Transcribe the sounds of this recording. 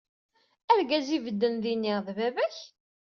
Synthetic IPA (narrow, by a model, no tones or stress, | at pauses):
æɾɡæzivəd̪ːənðinːiʁðvævæç